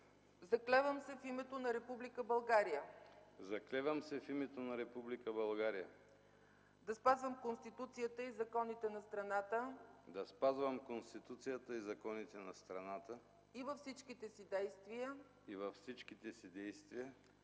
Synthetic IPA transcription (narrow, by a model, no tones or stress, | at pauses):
zɐklɛvəmsɛfimɛt̪onɐɾɛpublikəbɐlˠɡaɾijəzɐklɛvəmsɛfimɛt̪onɐɾɛpublikəbɐlˠɡaɾijə̰ | d̪ɐspazvəmkonst̪it̪ut̪sijət̪əizɐkɔnit̪ɛnɐst̪ɾɐnat̪əd̪ɐspazvɐmkonst̪it̪ut̪sijət̪əizɐkɔnit̪ɛnɐst̪ɾɐnat̪ə | ivɐfsit͡ʃk̟it̪ɛsid̪ɛjst̪vijə | ivɐfsit͡ʃkit̪ɛsid̪ɛjst̪viə